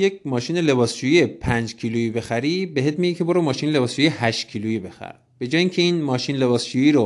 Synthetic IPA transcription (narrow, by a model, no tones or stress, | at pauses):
jecmɒːʃiːnele̞bɒːst͡ʃujiepʰænd͡ʒcʰiːluibe̞xæɾibeɦet̪miɡicʰeboɾomɒːʃiːnele̞bɒːst͡ʃuːjehæʃtcʰiːluibe̞xæ̰ɾ | b̥e̞d͡ʒɒːjiŋcʰeiːnmɒːʃinle̞βɒːst͡ʃujiːɾo